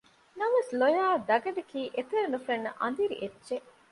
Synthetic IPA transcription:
nɐʋeslojaːd̪ɐɡɐɖɐkiːʔet̪eɾenufɐnːɐʔɐ̰nd̪iɾḭʔedːʒeʔ

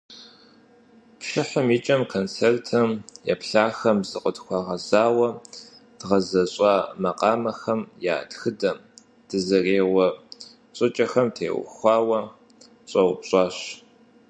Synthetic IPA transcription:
pʃɪħəmit͡ʃʼɐmkʰont͡sʰeːrtʰɐmjɛpɬaːxɐmzɨqʼədxʷɑːʁɐzaːwɐ | d̥ʁɐzɐɕʼɑːmɐqʼɑːmɐxɐmja̰ːtxɨdɐm | d̥ɨzɐreːʁʷɔ | ɕʼɨt͡ʃʼɐxɐmtʰḛːw̰xʷɑːwɐ | ɕʼɐwʊpɕʼɑːɕ

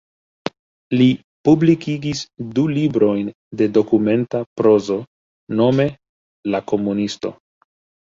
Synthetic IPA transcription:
li | publikiɡisdulibɾo̞jn | de̞do̞kume̞ntapɾo̞zo̞ | no̞me̞ | lako̞munisto̞̰

